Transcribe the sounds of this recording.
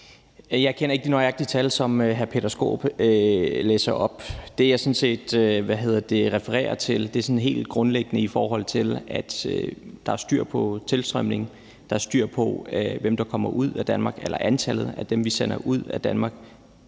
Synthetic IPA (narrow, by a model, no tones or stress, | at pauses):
jɑ̈ɪkʰen̰ɐe̝ɡ̥ə̥dinɔɑɡ̥d̥it͡sʰælsɒ̽møɦæɐpʰe̝ɾ̥ɐsɡ̥o̝̰ːb̥øleːsɐʔɒ̽b̥d̥e̝jɑ̈sɔ̽nse̝̰ːd̥ʋæɦe̝ð̞̰ˠɐd̥e̝ʁɛfəʁɛ̰ːɐt͡sʰe̝ld̥e̝æɐsɒ̽nɦe̝̰ːld̥̚ɡ̥ʁɔ̽nleɡ̥ənəifɒːɦɒ̽l̰t͡sʰe̝læd̥ød̥ɑ̈æɐsd̥yɐ̰pʰɒ̽t͡sʰe̝lsd̥ʁɶmne̝ŋ | d̥ɑ̈æɐsd̥yɐ̰pʰɒ̽ʋemd̥ɑ̈kʰɒ̽m̰ɐʔuð̞̰ˠæd̥ænmɑ̈ːɡ̥elɐʔænt͡sʰæl̰ð̞̩ˠæd̥emʋisenɐʔuð̰ˠæd̥ænmɑ̈ːɡ̥